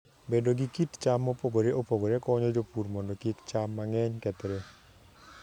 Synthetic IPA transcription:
bedoɡikitt͡ʃamːopoɡoɾeʔopoɡoɾekɔɲɔd͡ʒopuɾmɔndɔkɪkt͡ʃamːaŋɛɲkɛt̪ɾe

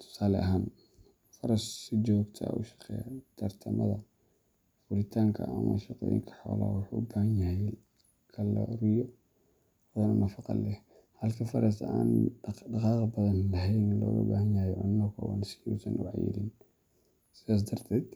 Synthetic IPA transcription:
t̪ʰʊ̥saːlɛʔɐɦaːn | fɐɾɐssɪt͡ʃɔːɡt̪ʰɐ̰ʔʊ̰ʃɑ̥qɛ̰ːjat̪ʰɐrt̪ʰɐmɐ̰ðɐ | fʊlɪt̪ʰaːŋkʰɐ̰ɐmɐ̰ʃɑqɔːjɪ̰ŋkʰɐ̥ħɔ̰ːla̰ːwʊħuːʊbaːhɐnjɐhɛj | kʰɐlɐ̰rɪjɔ | wɐðɐnɐnɐfɑqɑ̰lɛh | hɐlkʰɐfɐɾɐsaːnɖɑqɑːqɑbɐðɐnlɐɦɛjnɪnlɔːɣɐ̰baːhɐnjahjɛʕʊnːɐkʰɐwaːnsɪjusɐnʊʕɑjɪ̰ɾɪn | sɪðaːs̬d̪ɐrt̪ʰɛːd̪̥

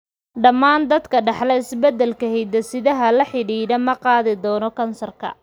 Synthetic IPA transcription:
ɖɐmːaːnd̪ɐd̪kʰɐɖɑħlɛɪsbɛd̪ɛlkʰɐhɛjd̪ɐsɪðɐɦɐlɐħɪɽiːɾɐmɐqɑːðɪd̪ɔːnɔkʰɐnsɐrkʰɐ̰

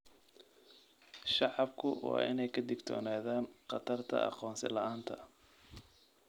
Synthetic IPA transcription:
ʃɑʕɑbkʰʊwɑ̰ːʔɪ̰nɛjkʰɐd̪ɪɡt̪ʰɔ̰ːnaːðaːnqɑt̪ʰɐrt̪ʰɐ̰ɑ̰qɔːnsɪlɐʔaːnt̪ʰɐ

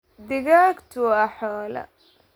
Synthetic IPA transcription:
d̪ɪɣaːkt̪ʰʊɐħɔːlɐ̰

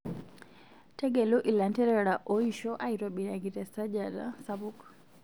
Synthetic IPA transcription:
tɛɡɛluʔilantɛɾɛɾaʔɔiʃɔʔaiɾaɓinaɡiɾɛsad͡ʒada̰sabuk

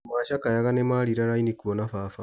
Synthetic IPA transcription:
maʃakajaɣanemaɾiɾaɾainikuonafafa

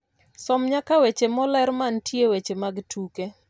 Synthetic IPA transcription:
sɔmɲakawet͡ʃemɔlɛɾmantjewet͡ʃemaɡtʰuke

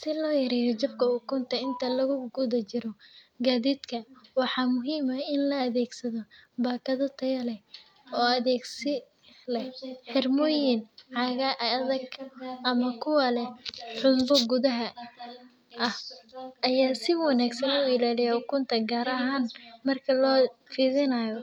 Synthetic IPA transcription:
sɪlɔːjɐɾɛːjɐt͡ʃɐb̚kʰɐʊkʊnt̪ʰɐɪnt̪ʰɐlɐɣʊɡʊðɐt͡ʃɪɾɔ | ɡaːðiːd̪kʰɐwɑħɑːmʊɦiːmɐɪnlɐːðɛːɡsɐðɔbaːkʰɐðɐt̪ʰɐjɐlɛ | ɔːɐðɛːɡsɪ | lɛħɪrmɔːjɪnʕɑɣɐʔðɐɡʰʔɐmɐkʰʊwɐlɛħʊmbɔɡuðɐɦɐ | ʔɐhʔɐjaːsɪwɑnaːɡsɐnʊɪlaːlɪjakʰʊnt̪ʰɐɡaːɾɐɦaːnmɐrkʰɐlɔːfiðɪnajɔ

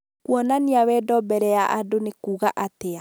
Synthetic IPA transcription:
kwɔnaniawɛdɔbɛɾɛjaʔadonekuːɣaʔatea

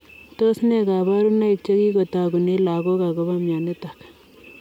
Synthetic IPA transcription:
t̪osneɡaːbaːɾunːaɪt͡ʃɐɡiɡot̪aːɡʊnelaːɡoɡaɡobamjaːnet̪ɐk

